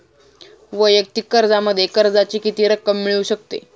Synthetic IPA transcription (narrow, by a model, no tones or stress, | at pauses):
ʋəjək̚t̪ikːəɾd͡zaməd̪ʱːjekəɾd͡zat͡ɕiːkit̪iːɾəkːəmːiɭuːɕək̚t̪ḛ